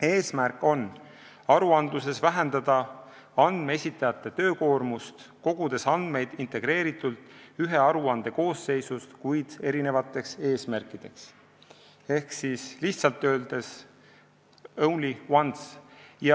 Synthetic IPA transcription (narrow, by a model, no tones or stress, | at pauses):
e̞ːsmæɾrkːˑo̞n | ɑɾuɑnd̪luse̞svæɦe̞nd̪ɑd̪̥ɑ | ɑnd̪̥meesʲit̪ːˑɑjɑt̪ːˑe̞t̪ø̞ːko̞ːrmust̪ko̞ɡ̥ud̪̥e̞sɑnd̪̥me̞jd̪̥int̪e̞ɡ̥ɾe̞ːɾit̪ːˑult̪ˑyɦe̞ɑɾuɑnd̪̥e̞ko̞ːsːe̞jsust̪kujd̪̥e̞ɾine̞vɑt̪ːˑe̞kse̞ːsmærkˑid̪̥e̞ks | e̞hksisliçht̪sɑlt̪ːˑø̞ːld̪̥e̞s | ownliwɑnsjɑ